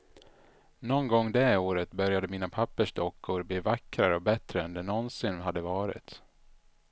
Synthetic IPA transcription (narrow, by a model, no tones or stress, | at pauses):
nɔnɡɔŋːd̪ɛoːɾət̪bœɾjad̪əmiːnapʰapːəʂd̪ɔkːʊɾbliːvakːɾaɾəɔbɛt̪ɾəɛnd̪ɛnɔnsɪnɦad̪ːəvɑːɾɪ̰t̪